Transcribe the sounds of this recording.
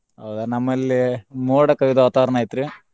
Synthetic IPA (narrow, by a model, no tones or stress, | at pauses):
ɐwd̪aːnɐmːɐlimuːɽɐkɐjid̪ɐʋɐt̪aʋɐɾɐɳaːjt̪ːɾɨ